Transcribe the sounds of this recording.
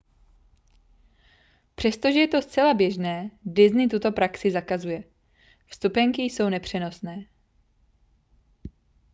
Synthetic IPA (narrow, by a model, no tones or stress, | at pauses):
pr̝̥ɛst̪o̞ʒɛjɛt̪o̞st͡sɛlabjɛʒnɛːdɪznɪt̪ut̪o̞pɾaksɪzakazujɛ | fst̪upɛŋkɪjso̞wnɛpr̝̥ɛno̞snɛː